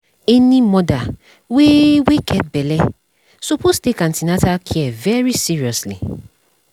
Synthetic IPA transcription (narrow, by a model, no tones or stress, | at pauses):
ɛnĩmɔda | wewekʰɛt̚bɛlɛ | sopostekãntinatakʰiɛvɛɹisiɹiɔsli